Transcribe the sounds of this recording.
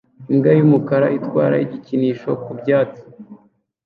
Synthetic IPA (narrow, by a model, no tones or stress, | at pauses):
iŋɡajumukaɾaitkwa̰ːɾa̰iɟiciniːʃo̞kubɟaːt͡si̥